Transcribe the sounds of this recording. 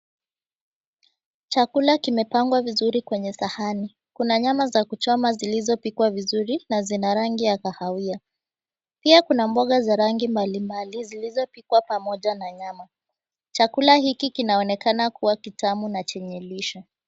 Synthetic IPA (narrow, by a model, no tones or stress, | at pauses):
t͡ʃakulakimɛpaŋɡwavizuɾikwɛɲɛsahani | kunaɲamazakut͡ʃɔmazilizɔpikwavizuɾinazinaɾaŋɡiakahawia | piakunambɔɠazaɾaŋɡimbalimbalizilizɔpikwapamɔʄanaɲama | t͡ʃakulahikikinaɔnɛkanakuwakitamunat͡ʃɛɲɛliʃɔ